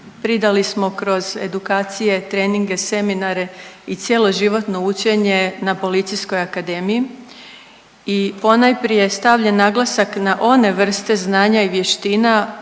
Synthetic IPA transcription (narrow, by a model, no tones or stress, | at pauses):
pɾid̪alismo̞kɾo̞ze̞̰d̪ukaːt̪sije̞t̪ɾe̞ːniŋɡe̞se̞minaɾe̞it̪sje̞lˠo̞ʒiʋo̞t̪no̞ut͡ɕe̞ɲe̞napo̞lit̪sijsko̞jakad̪eːmii | ipo̞najpɾijest̪aʋʎanːaɡlˠasaknaʔo̞ne̞ʋr̩st̪e̞znaːɲaiʋje̞ʃt̪iːna